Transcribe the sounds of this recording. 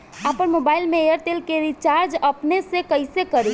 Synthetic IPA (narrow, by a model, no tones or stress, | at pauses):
apənmobailmeejəɾʈ̪elkeɾit͡ʃaɾd͡ʒəpnesẽkəɪsekəɾi